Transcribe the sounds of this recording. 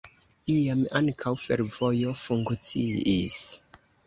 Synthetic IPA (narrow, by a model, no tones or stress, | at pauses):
iamaŋkʰawfe̞ɾvo̞jo̞fuŋkt͡siis